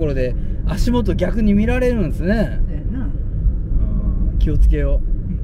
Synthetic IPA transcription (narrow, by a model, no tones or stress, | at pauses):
ko̞ɾo̞d̪e̞aɕimo̞t̪̬o̞ɡʲakɯ̟ɲ̟imʲiɾaɾe̞ɾɯ̟̃nsɨne̞ | ɯ̃kʲio̞t͡sɨ̥ke̞jo̞